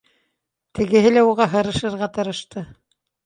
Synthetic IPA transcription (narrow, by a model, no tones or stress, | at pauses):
t̪ʰɘ̆ɡɘ̆ɦɘlæuʁɑɦɤ̆ɾɤ̆ʃɤ̆ɾʁɑt̪ɤ̆ɾɤ̆ʃt̪ɤ